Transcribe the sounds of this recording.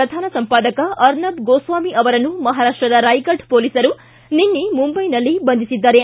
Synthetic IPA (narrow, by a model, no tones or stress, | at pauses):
ɾɐd̪ʱaːnɐsɐmpaːd̪ɐkɐʔɐɾnɐbɡoːsʋaːmiʔɐʋɐɾɐnumɐɦaːɾaːʂʈɾɐd̪ɐɾaːjkɐɖpoːlisɐɾu | ninːimumbɐjnɐlːibɐnd̪ʱisid̪ːaːɾe